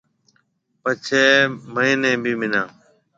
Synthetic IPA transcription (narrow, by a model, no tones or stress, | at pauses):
pət͡ʃʰeːməiːnẽːbʱiːmɪnãː